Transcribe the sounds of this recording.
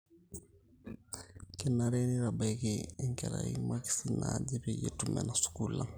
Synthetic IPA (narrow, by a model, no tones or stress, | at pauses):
kɛnaɾeniɾabakeŋkɛɾaḭmaki̥sinad͡ʒipejḛtumɛ̰nasu̥kula